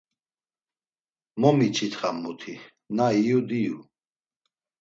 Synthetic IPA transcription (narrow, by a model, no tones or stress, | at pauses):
mɔmit͡ʃʰit̪χamːut̪ʰi | naijud̪iju